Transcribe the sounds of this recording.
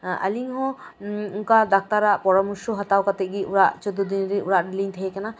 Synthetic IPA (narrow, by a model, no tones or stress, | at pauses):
ə̰liŋɦɔ̃unkad̪ak̚t̪aɾaʔpɔɽɔmuʃuɦat̪awkat̪ɛʔ̚ɡiuɾaʔt͡ʃɔd̪ud̪inɾiuɾaʔɖiliɲt̪ʰɛɦɛkana